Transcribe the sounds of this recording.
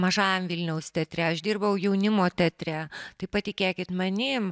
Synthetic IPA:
mɐʒɑːjɛmʋʲilʲnʲɛʊst̪ʲɛt̪ʲɾʲɛɐʃd̪ʲiːrbɐʋɐʊjɛʊnʲɪmoːt̪ʲɛt̪ʲɾʲæt̪ɐɪpɐt̪ʲɪkʲeːkʲɪt̪mɐnʲɪːm

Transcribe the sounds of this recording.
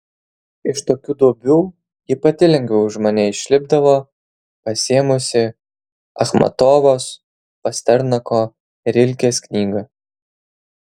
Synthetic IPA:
ɪʃt̪oːkʲuːd̪uɔbʲuː | jɪpɐt̪ʲɪlʲɛŋʲɡʲɛʊʊʒmɐnʲɛɪʃʲlʲɪbd̪ɐʋoː | pɐsʲeɛmʊsʲɪ | ɐ̰xmɐ̰t̪oːʋoːs | pɐsʲt̪ʲɛɾnɐkoː | ɪɾʲɪlʲkʲeːsknʲiːɡɐ

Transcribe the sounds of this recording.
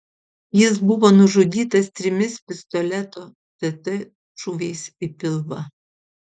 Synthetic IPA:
jɪs̬bʊʋɔːnʊʒʊd̪ʲiːt̪ɐst̪ʲɾʲɪmʲɪspʲɪst̪ɔlʲɛt̪oː | t̪ʲɛt̪ɨ | ʒuʋʲɛɪsʲipʲɪlˠʋɐ

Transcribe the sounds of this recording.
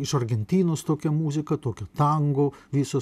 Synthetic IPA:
ɪʃɐɾʲɡʲɛnʲt̪ʲiːnoːst̪oːkʲɛmuːzʲɪkɐt̪oːkʲoːt̪ɐŋɡoːʋʲiːsoː

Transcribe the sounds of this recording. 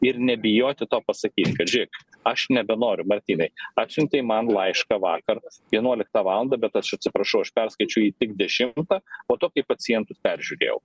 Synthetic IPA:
ɪɾnʲɛbʲɪjoːt̪ʲɪt̪oːpɐsɐkʲiːt̪kɐt̪ʒʲɪk | ɐʃnʲɛbʲɛnoːɾʲʊmɐɾʲt̪ʲiːnɐɪɑːt̪ʲsʲʊnʲt̪ʲɛɪmɐnlˠɐɪʃkɑʋɑːkɐrʋʲiɛnuɔlʲɪk̚t̪ɑːʋɑːlˠɐnd̪ɐbʲɛt̪ɐʃɐt̪ʲsʲɪpɾɐʃɐʊɐʃpʲɛrskɐɪt͡ʃʲʊiːt̪ʲɪɡd̪ʲɛʃʲɪmt̪ɑːpoːt̪oːkɐɪpɐt͡s̪ʲɪjɛnt̪ʊpʲɛɾʲʒʲʉɾʲḛːjɛ̰ʊ

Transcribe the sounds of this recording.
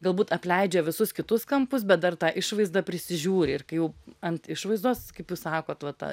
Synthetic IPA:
ɡɐlˠbuːt̪ɐpʲlʲɛɪd͡ʒʲɛʋʲɪsʊskʲɪt̪ʊskɐmpʊs̬bʲɛt̪̚d̪ɐrt̪ɑːʔɪʃʋɐɪzd̪ɐpʲɾʲɪsʲɪʒʲuːɾʲɪɪrkɐɪjɛʊɐnt̪ɪʃʋɐɪzd̪oːskɐɪpjuːssɑːkoːt̪ʋɐt̪ɑ̰

